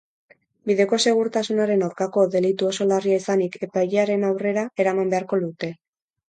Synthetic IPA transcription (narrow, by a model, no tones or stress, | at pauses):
biðe̞ko̞se̞ɣuɾt̪asunaɾe̞nawɾkako̞ðe̞lit̪uo̞so̞lariaisanike̞pajʎeaɾe̞nawre̞ɾae̞ɾamambe̞aɾko̞lut̪e̞